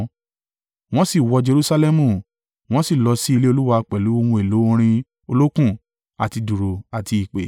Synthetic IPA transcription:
w̃ɔ̃˦si˦˨wɔ˧d͡ʒe˧ɾu˦sa˧lɛ˦mũ˨ | w̃ɔ̃˦si˦˨lɔ˧si˦i˧le˦o˧lu˦wa˧k͡pɛ˨lu˨˦o˧wũ˧e˨lo˨˦õ˦ɾ̃ĩ˧ | o˧lo˦kũ˦˨ | a˨ti˧du˨ɾo˨a˨ti˧i˨k͡pḛ˨

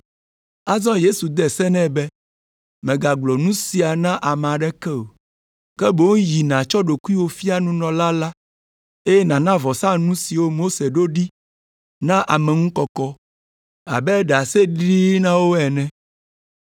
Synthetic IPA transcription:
a˦zɔ̃˦je˦su˨d̪ɛ˨sɛ˦nɛ̃˦bɛ˦ | mɛ̃˨ɡa˨ɡ͡blɔ˨nũ˦si˨a˨nã˦ʔa˨mɛ̃˨a˨ɖɛ˦kɛ˦o˨ | kɛ˦bo˦ŋũ˦ji˨nã˨t͡ʃɔ˦ɖo˨ku˦i˦wo˦fi˦a˦nũ˦nɔ̃˨la˦la˦ | e˦jɛ˦nã˨nã˦vɔ˨sã˦nũ˦si˨wo˦mo˦se˨ɖo˦ɖi˦ | nã˦ʔa˨mɛ̃˨ŋũ˦kɔ˨kɔ˦ | a̰˨bɛ˦ɖa˨se˦ɖi˦nã˦wo˦ɛ˨nɛ̃˦

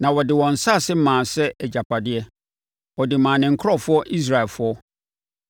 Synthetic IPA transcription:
nã˨wɔ˨dɪ˨wɔ̃˨n̩˨sa˦˨sɪ˦m˦mãː˨sɛ˦ɛ˨d͡ʑa˨pʰa˨dɪ˦ɛ˦ | wɔ˨dɪ˨mãː˨nɪ̃˨ŋ̩˨kʰɾɔ˦˨fʊ˦ɔ˦ʔi˦s̬ɾa˨ɛ˨lfʊ˦ɔ˦

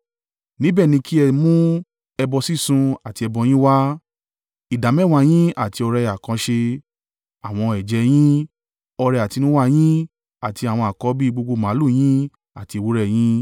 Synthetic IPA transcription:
nĩ˦bɛ˦˨nĩ˧ki˦ɛ˧mũ˦ | ɛ˧bɔ˧si˦˨sũ˧a˨ti˧ɛ˧bɔ˧j̃ĩ˦wa˦ | i˨da˨˦mɛ˦˨wa˧j̃ĩ˦a˦˨ti˧ɔ˧ɾɛ˧a˨kã˨˧˦ʃe˧ | a˨w̃ɔ̃˧ɛ˨d͡ʒɛ˨˦j̃ĩ˦ | ɔ˧ɾɛ˧a˨ti˧nũ˦wa˦j̃ĩ˦ | a˨ti˧a˨w̃ɔ̃˧a˨kɔ˨˦bi˦˧ɡ͡bo˧ɡ͡bo˧˨mã˨˦lu˦˨j̃ĩ˦ | a˦˨ti˧wu˦ɾɛ˦˨j̃ĩ˦

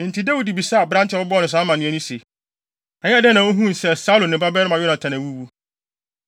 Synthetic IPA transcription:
n̩˨tʰi˨da˦wu˨di˨bi˨sa˦a˨bɾã˦ntʰɪ˦˨ɔ˦bɔ˦nʊ̃˨s̬ã˦mã˨nʊ̃˦ɛ̃˦nũ˦se˨ | ɛ˨ɲ˦˨dɛ˦nã˨o˦ɦũ˦n˨sɛ˨sa˦lõ˨nɪ̃˨ba˦bɛ˦ɾmã˨jɔ˦nã˨tʰã˨nã˨wu˦wu˦

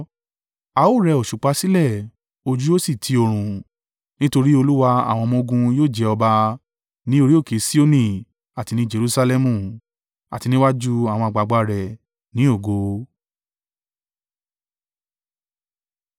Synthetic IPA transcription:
a˧o˦˨ɾɛ˧˨o˨ʃu˨k͡pa˧˦si˦lɛ˦˨ | o˧d͡ʒu˦o˦si˦˨tʰi˧o˧ɾ̃ũ˨ | nĩ˦to˧ɾi˦o˧lu˦wa˧a̰˦˨w̃ɔ̃˧mõ˧ɡũ˧joː˦˨d͡ʒɛ˧˦ɔ˧ba˧ | nĩ˦o˧ɾi˦o˦˨ke˨˦si˦o˦nĩ˦˨ | a˨ti˧nĩ˦d͡ʒe˧ɾu˦˧sa˧lɛ˧mũ˦˨ | a̰˨ti˧nĩ˦wa˦d͡ʒu˦a˦˨w̃ɔ̃˧a˨ɡ͡ba˨ɡ͡ba˧ɾɛ˨ | nĩ˨˦o˦˨ɡo˨˦

